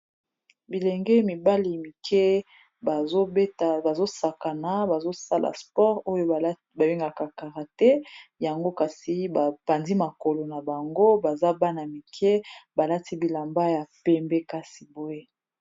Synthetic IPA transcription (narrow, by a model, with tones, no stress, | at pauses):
bi˨lɛ˨ŋɡɛ˦mi˨ba˦li˨mi˨kʰɛ˦ | a˨zo˦be˦ta˨ba˨zo˦sa˨ka˨na˨ba˨zo˦sa˦lʔa̰˨spɔ˦ʁo˦jo˦˨˦ | ba˨bi˦ŋɡa˨ka˨ka˨ʁa˨tɛ˦ja˨ŋɡo˦ka˨si˨ba˨pa˨ndi˦ma˨ko˨lo˨na˨ba˨ŋɡo˦ba˨za˦ba˦na˨mi˨kʰɛ˦ba˨la˦ti˦bi˨la˨mba˦ja˨pɛ˦mbɛ˦ka˦si˨bo˦e˦